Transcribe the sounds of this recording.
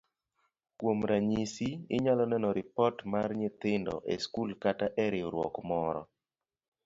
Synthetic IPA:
kwomɾaɲisiɪɲalɔnɛnɔɾɪpɔtmarɲɪt̪ɪndɔ̰ʔḛskulkataʔɛɾɪoɾwɔ̰kmɔɾɔ̰

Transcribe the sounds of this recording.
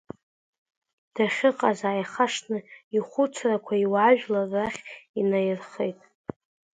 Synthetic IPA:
d̥aχʲɪqʼazaːjχaʂnɨiχʷʊt͡sʰrakʷʰaiwaʒᶣlarːaχʲinajɪrχejtʼ

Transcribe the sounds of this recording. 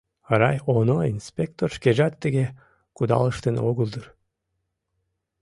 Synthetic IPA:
ɾɑjonoinspʲek̚t̪orʃkeʒɑt̪ːeɡʲe | kud̪ɑ̰lˠəʃt̪ənoɣəlˠd̪ɯr

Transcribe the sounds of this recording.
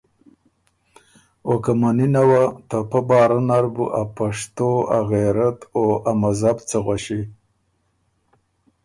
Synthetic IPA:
okamaninawat̪apabɑːɾanaɾbṵʔapaʂt̪oaɣeɾat̪oamazabt͡səɣʷwaʃi

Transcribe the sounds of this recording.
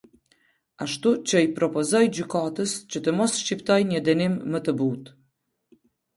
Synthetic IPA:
aʃt̪ut͡ɕəipɾɔpɔzɔjd͡ʑykat̪əst͡ɕət̪əmɔsʃcipt̪ɔjɲəd̪ɛnimːət̪əbut̪

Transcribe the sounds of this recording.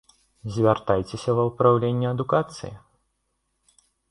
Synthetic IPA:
zʲvʲart̪ajt͡sʲesʲɐvɐwpɾawlʲenʲːɛɐd̪ukat̪sɨ̰jḭ

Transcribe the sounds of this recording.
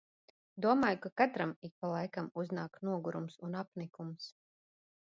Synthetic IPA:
d̪uɔmaːjukakat̪ɾamik̚palˠajkamuznaːknuɔɡuɾumsunapnikums

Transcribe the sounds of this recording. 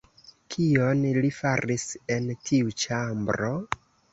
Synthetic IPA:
kʰio̞nlifaɾise̞ntʰiut͡ʃambɾo̞

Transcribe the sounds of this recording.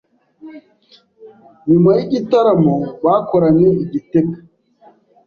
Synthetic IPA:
mimaiʔitaɾamɔbakɔɾaniiɡitek

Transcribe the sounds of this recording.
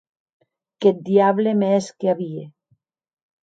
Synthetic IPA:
kɛt̪̚d̪iaβlemɛskeaβie

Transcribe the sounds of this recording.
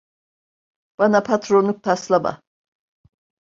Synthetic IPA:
b̥anapʰat̪ʰɾonːˠuk̚t̪ʰaslˠaba̰

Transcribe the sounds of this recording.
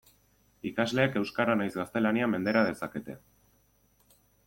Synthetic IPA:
ikazle̞ːke̞wskaɾanajzɣast̪e̞laniame̞nd̪e̞ɾaðe̞sake̞t̪e̞̰

